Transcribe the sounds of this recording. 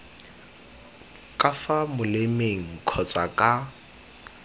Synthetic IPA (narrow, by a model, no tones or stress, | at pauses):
kʼafamʊlemeŋ̩kʰɔt͡sʼakʼa